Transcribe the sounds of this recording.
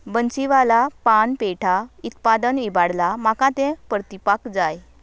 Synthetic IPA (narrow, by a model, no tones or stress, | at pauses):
bənt͡ɕiʋalapanpeʈʰaut̪pad̪ənibaɽlamakãt̪ẽpəɾt̪ipakd͡zaj